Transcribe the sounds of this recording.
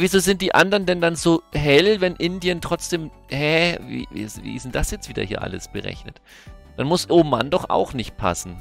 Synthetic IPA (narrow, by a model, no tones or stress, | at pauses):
viːzoːzɪnt̚d̥iːʔandɐʁəndɛndanzoːɦɛlvɛnʔɪndiəntʁ̥ɔt͡sd̥eːm | hɛvḭːvḭsvḭːʔɪ̰sn̩d̥asjɛt͡stv̥iːdɐ̰hiːɐʔa̰ləsb̥əʁɛ̰çnət | d̥anmʊsʔoːma̰ndɔχʔa̰ʊxnɪçt̚pʰa̰sn̩